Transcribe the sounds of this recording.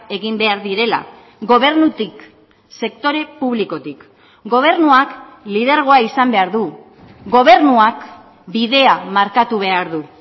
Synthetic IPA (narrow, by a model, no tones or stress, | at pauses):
e̞ɣimbe̞aɾðiɾe̞la̰ | ɣo̞β̞e̞ɾnut̪ik | se̞k̚t̪o̞ɾe̞puβ̞liko̞t̪ik | ɡo̞β̞e̞ɾnuaklið̞e̞ɾɣ̞o̞aisambe̞aɾðu | ɡo̞β̞e̞ɾnuak | biðe̞amaɾkat̪uβ̞e̞aɾðu